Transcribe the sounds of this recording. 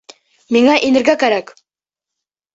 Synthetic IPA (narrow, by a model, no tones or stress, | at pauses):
miŋæʔinɘ̆ɾɡækæɾæk